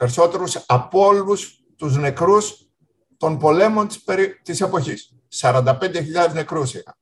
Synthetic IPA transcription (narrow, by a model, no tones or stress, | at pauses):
pe̞ɾiso̞t̪e̞ɾusɐpo̞lus | t̪uzne̞kɾus | t̪o̞npo̞le̞mo̞nt̪t̪ise̞po̞çisː | ɐɾɐnd̪ɐpe̞nd̪e̞çiʎɐðezne̞kɾusiɐ̰